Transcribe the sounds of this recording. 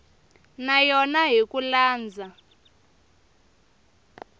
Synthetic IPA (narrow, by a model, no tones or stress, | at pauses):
najɔnaɦikulaːnd͡zʱa